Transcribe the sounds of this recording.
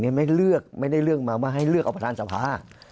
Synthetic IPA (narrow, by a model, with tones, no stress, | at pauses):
ni˧˥ɐ˨ma˥˩jlɯ˥˩ək̚ma˥˩jda˥˩jlɯ˥˩ək̚maː˧waː˥˩ɦa˥˩jlɯ˥˩k̚ʔpa˧t̪ʰaː˧sa˧˩pʰaː˧˥